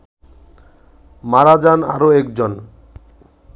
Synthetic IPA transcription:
maɾad͡ʑana̰ɾoɛkd͡ʑon

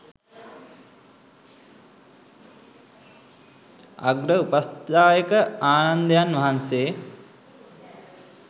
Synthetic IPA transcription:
a̰ɡɾəupast̪aːjəkəaːnand̪əjanʋɐɦanseː

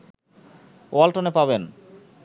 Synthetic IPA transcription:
walʈonepaben

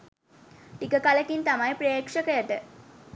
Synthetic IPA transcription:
ʈikəkaləkint̪amajpɾejkʂəkəjəʈə

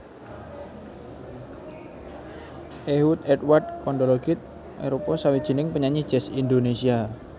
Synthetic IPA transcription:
ʔehut̪̚ɛt̪̚ward̚kɔndoloɡɪt̪̚ | ɛ̰ɾopɔsawid̥ʒ̥i̤nɪŋpəɲaɲid̥ʒ̥ɛ̤sindonesia

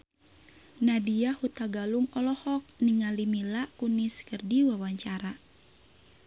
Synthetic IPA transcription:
nadiahut̪aɡaluŋɔlɔhɔk̚niŋalimilakuniskərdiwawaɲt͡ʃaɾa

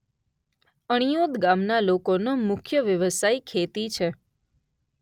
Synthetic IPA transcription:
əɽ̃ijod̪ɡamnalokonomʊkʰjəʋjəʋəsaikʰet̪it͡ʃʰe

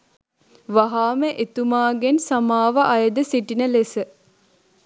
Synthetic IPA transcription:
ʋaɦaːməʔet̪umaːɡensamaːʋəʔajəd̪əsiʈinəlesə

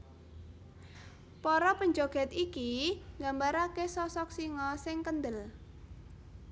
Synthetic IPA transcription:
pɔɾɔpəɲd͡ʒoɡ̥ɛ̤t̪ikiŋɡambaɾakesɔsɔksiŋɔsɪŋkənd̪əl

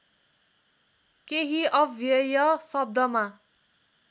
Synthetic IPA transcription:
keɦiʌbʱjʌjʌsʌb̚d̪ʌma

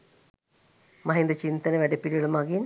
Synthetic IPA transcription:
mɐɦind̪ɐt͡ɕint̪ɐnəʋæɖepiɖɭɐmaɡin

